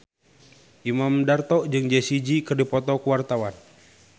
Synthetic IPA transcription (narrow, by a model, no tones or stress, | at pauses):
ʔimamdart̪ɔʔd͡ʒɨŋd͡ʒɛsid͡ʒikərdipɔt̪ɔkuwart̪awan